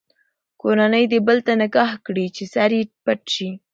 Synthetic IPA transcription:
koɾanəjd̪ebəlt̪anaɡɑhkɽit͡ʃesaɾepaʈʃi

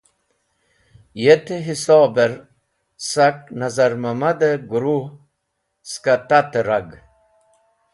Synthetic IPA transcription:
jet̪eɦisoːbeɾ | sak̚nazaɾmamad̪eɡuɾu | skat̪at̪eɾaɡ

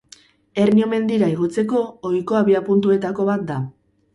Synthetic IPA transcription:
e̞rnio̞me̞nd̪iɾaiɣ̞o̞t͡se̞ko̞ːjko̞aβiapunt̪ue̞t̪ako̞βat̪̚d̪a

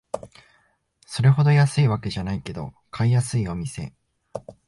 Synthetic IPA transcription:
so̞ɾe̞ɦo̞d̪o̞jasɨiβake̞ʑanaike̞d̪o̞̰ | kʰaijasɨio̞mʲise̞̰

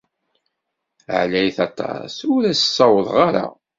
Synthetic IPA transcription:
ə̰ʕlæjθɑt̪ˤːɑ̰sʊɾæsə̥sˤːɑwəðˤʁaɾa̰

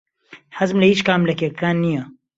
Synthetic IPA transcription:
ħɐzmlɐiːt͡ʃkaːmlɐkekaːnːijɐ

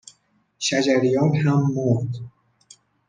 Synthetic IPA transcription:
ʃæd͡ʒæɾijɒːnhæmːoɾd̪

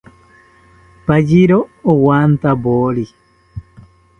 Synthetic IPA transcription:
pad͡ʒiɾoːwant̪aboɾi

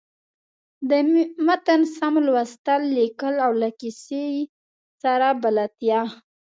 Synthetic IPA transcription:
d̪əmat̪ənsamlwast̪alːekəlawlakise | saɾabalat̪jɑ

